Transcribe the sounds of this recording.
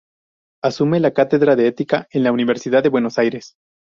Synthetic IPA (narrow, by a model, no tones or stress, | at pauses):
asume̞lakat̪e̞ðɾaðeet̪ikae̞nlauniβ̞e̞ɾsiðaðe̞βwe̞no̞sajɾe̞s